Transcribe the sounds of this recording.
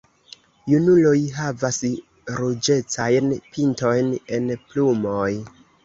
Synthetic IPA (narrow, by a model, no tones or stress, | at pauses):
junulo̞jɦavas | ɾud͡ʒe̞t͡sajnpinto̞jne̞nplumoj